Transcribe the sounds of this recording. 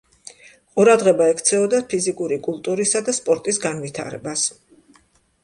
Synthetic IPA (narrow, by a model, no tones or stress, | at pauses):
qʼuɾad̪ʁɛbaɛkʰt̪sʰɛɔd̪apʰizikʼuɾikʼulˠt̪ʼuɾisad̪aspʼɔɾt̪ʼisɡanvit̪ʰa̰ɾɛ̰bas